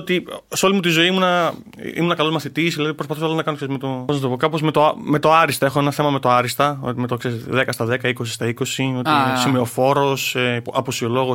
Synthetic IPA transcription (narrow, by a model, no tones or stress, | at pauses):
ot̪iseo̞limut̪izo̞imunɐ̰ | ḭmunɐkɐlzmɐθit̪isðilɐðipɾospɐθusɐɐlonɐkɐnosezmet̪o̞onɐst̪ookɐpo̞zme̞t̪ome̞t̪oɐɾist̪ɐe̞xoenɐθe̞mɐme̞t̪o̞ɐɾist̪ɐo̰t̪imet̪oksesðekɐst̪ɐðekɐiko̞si̥st̪ɐiko̞sio̞t̪isimeo̞fo̞ɾo̞sepɐposio̞lo̞ɣo